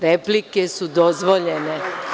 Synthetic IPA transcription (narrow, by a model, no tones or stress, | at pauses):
ɾeplikesud̪ozʋoʎene